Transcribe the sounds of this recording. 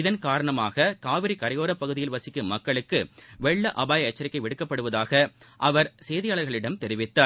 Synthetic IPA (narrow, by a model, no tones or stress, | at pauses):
ɪðɐnkaːɾɐɳɐmaːɣɐkaːʋɪɾikɐɾɐjoːɾɐpːɐɣɯðɪjɪlʋɐsɪkːɯmɐkːɐɭɯkːɯʋɛɭːɐʔɐbaːjɐɐt͡ʃːɐɾɪkːɐɪʋɛɽɯkːɐpːɐɽɯʋɐðaːɣɐʔɐʋɐɾseːðɪjaːɭɐɾɣɐɭɪɽɐmt̪ɛɾɪʋɪt̪ːaːɾ